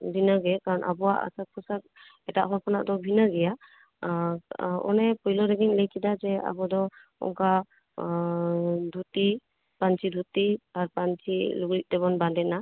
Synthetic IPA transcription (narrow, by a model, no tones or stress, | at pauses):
dinəɡɛkaɾɔnʔa̰bɔwaʔa̰sak̚pʰɔsak̚ | ɛtaʔɦɔɾpʰɔnaʔdɔbʱinəɡɛja | ɔ̰nɛpɔjlɔɾɛɡɛnlejkʰidazɛa̰bɔd̪ɔɔ̰ŋka | d̪ʱuti | pant͡ʃʰid̪ʱutiaɾpant͡ʃʰiluɡlit̚ˀdɛβɔnbadɛna